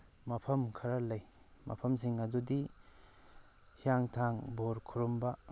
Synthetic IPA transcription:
mɐpʰɐmkʰɐɾalɐj | mɐ̰pʰɐms̬iŋɐdudi | hijaŋtʰaŋboɾkʰuɾumbɐ

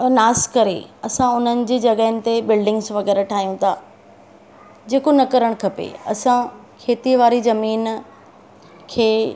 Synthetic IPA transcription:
naːskɐɾḛɐsãʊn̤ənɪ̆d͡ʑiːd͡ʑɐɡəɦənɪ̆t̪ebɪlɖɪ̃ŋɡzʋɐɣɛːɾaʈʰaːɦijũt̪ʰaː | d͡ʑeːkonɐkɐɾəɽ̃kʰɐpḛɐ̰sãkʰeːt̪iʋaːɾizɐmiːn | kʰeː

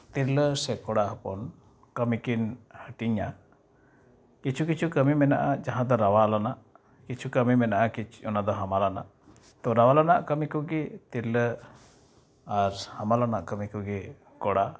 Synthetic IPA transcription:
t̪iɾləsɛkɔɽaɦəpɔ̰n | kəmikinhəʈiɲa | kit͡ʃʰukit͡ʃʰukəmimɛna̰ʔad͡ʒaɦãd̪ɔɾawalanaʔ | kit͡ʃʰukəmimɛnaʔakit͡ʃɔnad̪ɔɦamalana̰ʔ | t̪ɔɾawalanaʔkəmikɔɡɛt̪iɾlə | aɾhamalana̰ʔkəmikɔɡɛ | kɔɽa

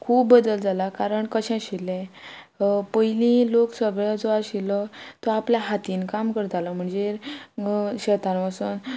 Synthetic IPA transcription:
kʰuːbːəd̪əld͡zalakaɾəɳkəɕɛ̃ɕilːɛ̃ | pəilĩloksəɡɾad͡zɔaɕilːɔt̪ɔapljaɦat̪iːnkamkəɾt̪alɔm̤əɳd͡ze | ɕət̪anʋasuːn

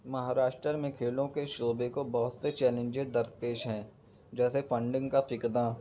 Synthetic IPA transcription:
mɐɦaːɾaːʃʈɾəɾmẽkʰeːlõkeʃoːbekobɐɦʊt̪set͡ʃɛːlẽnd͡ʒed̪ɐɾd̪̚peːʃɦɛ̃ː | d͡ʒɛːsefə̃ɳɖɪ̃ŋɡkafɪkd̪aː

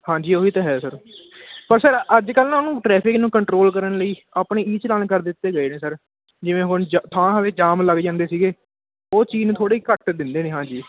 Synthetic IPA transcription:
hãːd͡ʒiːoːiːt̪eːɦɛːsəɾpəɾsəɾəd͡ʒkəlaːnũːʈɾɛːpʰɪknũːkəɳʈɾoːlkəɾənləiːaːpɳeːiːt͡ʃlənkəɾd̪ɪt̪ːeːɡəeːnẽːsəɾ | d͡ʒɪʋẽːɦʊnd͡ʒt̪ʰãːd̪eːd͡ʒaːmləɡd͡ʒãːnd̪eːsiːɡeː | oːt͡ʃiːnːt̪ʰoːɽeːikəʈd̪ɪnd̪eːnẽːɦãːd͡ʒiː

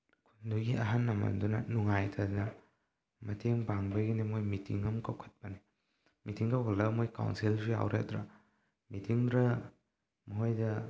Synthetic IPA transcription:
kʰunduɡiʔɐɦanːɐmɐ̰ndunɐnuŋajtʰɐnɐ | mɐtʰeŋbaŋbɐɡinimojmitḭŋɐmkawkʰɐ̥t̚pɐni | mitiŋkɐwkʰɐtlɐbɐmojka̰wnsilzija̰wɾek̚dɾɐ̰ | mitiŋdɾɐ | mɦojdɐ

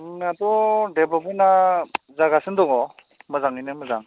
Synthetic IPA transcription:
ad̪ɔdebabɯna | zaɡasɯnd̪ɔŋɔ | mɯzaŋinɯmɯzaŋ

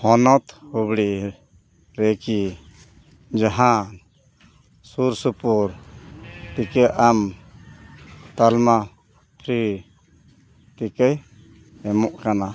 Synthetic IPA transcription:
hɔnɔt̪hubɽiʔ | ɾɛki | d͡ʒaɦã | suɾsupuɾ | t̪ikɛʔam | t̪alma | pʰɾi | t̪ikəj | ɛmɔʔkana

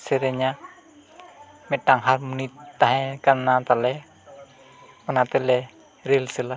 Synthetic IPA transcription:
seɾeɲa | mɛʈaŋɦarmunit̪ːaɦɛ̃kanːat̪alɛ | mənat̪əlɛ | ɾilsəla

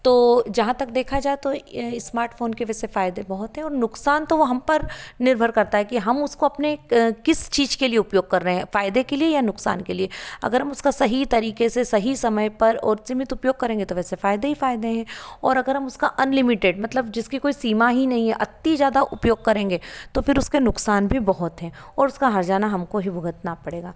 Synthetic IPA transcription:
t̪oːd͡ʒɐɦãt̪ɐkd̪eːkʰad͡ʒaːet̪oɪsmaːɾʈfoːnkeʋɛːsefaːɪd̪ebɐɦʊt̪ɦɛ̃ɔːɾnʊqsaːnt̪oʋoɦɐmpɐɾnɪɾbʱəɾkɐɾt̪aɦɛkiɦɐmʊskoɐpnekɪst͡ʃiːd͡ʒkelieʊpjoːɡ̚kɐɾːɐɦeɛ̃faːɪd̪ekeliejanʊksa̰ːnkelieɐ̰ɡəɾɦɐmʊskasɐɦit̪ɐɾiːkesesɐɦisɐməjpɐɾɔːɾsɪmɪt̪ʊpjoːɡ̚kːɐɾẽːŋɡet̪oʋɛːsefaːɪd̪eɦifaːɪd̪eɦɛ̃ːɔːɾɐɡəɾɦɐmʊskaʔɐnlɪmɪʈeːɖmɐt̪ləbd͡ʒɪskikoːisiːmaɦinɐɦĩɦɛʔɐt̪ːizjaːd̪aʔʊpjoːɡ̚kɐɾẽːŋɡet̪ofɪɾʊskenʊksaːnbʱibɐɦʊt̪ɦɛ̃ː | ɔːɾʊskaɦɐɾd͡ʒaːnaɦɐmkoɦibʱʊɡət̪napɐɽeːɡaː

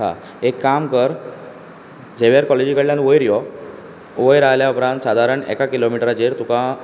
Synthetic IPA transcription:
a̰ | ekːamkəɾ | d͡ʑeʋjaɾkɔled͡ʑikəɽljãnʋəjɾjɔ | ʋəjɾaɦljaupɾãnt̪sad̪ʱaɾəɳɛ̰kakilomiʈɾad͡ʑeɾt̪ukã

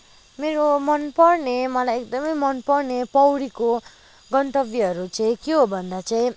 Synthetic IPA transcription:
meɾomʌnpʌrnemʌlajekd̪ʌmʌjmʌnpʌrnepʌwɽiko | ɡʌɳʈʌbiʌɾut͡saĩkeɦobʱʌnd̪at͡saĩ

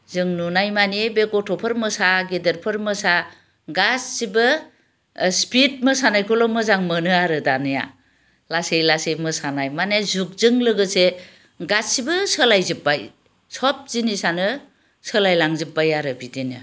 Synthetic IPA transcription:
zɯŋnunajmanebeɡɔtʰɔpʰɯɾmɯsaɡedeɾpʰɯɾmɯsa | ɡasːibɯ | spit̚mɯsanajkʰolɔmɯzaŋmənɯaɾɯdanɯja̰ | lasejlasejmɯsanajmanezuk̚zɯŋlɯɡɯse | ɡassibɯsəlajzɯp̚baj | sɔp̚z̥inisanɯ | səlajlaŋzɯp̚bajaɾɯbidenɯ

